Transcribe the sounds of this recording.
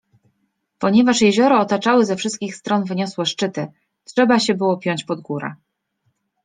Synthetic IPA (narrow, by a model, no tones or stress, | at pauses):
pɔɲɛvaʂjɛʑɔɾɔːt̪at͡ʂawɘzɛfʂɘst̪kʲixst̪ɾɔnvɘɲɔswɛʂt͡ʂɘt̪ɘ | tʂɛbaɕɛbɘwɔpʲjɔɲt͡ɕpɔd̪ɡuɾa̰